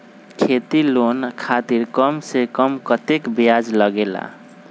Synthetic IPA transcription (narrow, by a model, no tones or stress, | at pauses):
kʰet̪ilonkʰat̪iɾkʌmsekʌmkət̪ekbjad͡ʒləɡela̰